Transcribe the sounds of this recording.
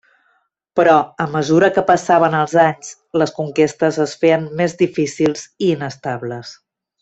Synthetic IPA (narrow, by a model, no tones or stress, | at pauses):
pɾɔəməzuɾəkəpəsaβənəlˠzaɲs | ləskuŋkest̪əzəsfeənmezðifisilˠziːnəst̪aβləs